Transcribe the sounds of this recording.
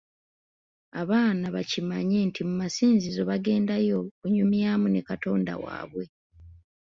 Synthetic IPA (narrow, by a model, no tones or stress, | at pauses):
aβaːnaβacimaɲeːntʰimumasiːnzizo̞βaɡe̞ːndajo̞kuɲumjaːmune̞kato̞ːnda̰wa̰ːβwe̞